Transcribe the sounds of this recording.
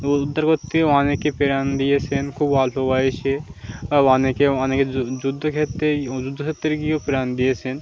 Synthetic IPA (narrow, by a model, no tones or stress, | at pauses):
ud̪ːaɾkot̪ːieoanekepeɾand̪ijet͡ʃʰenkʰubalɦobaet͡ʃebawoɦanekeoɦaneked͡ʒud̪ʱːokʰet̪ːɾed͡ʒud̪ʱːokʰet̪ːɾekiopeɾand̪ijet͡ʃʰen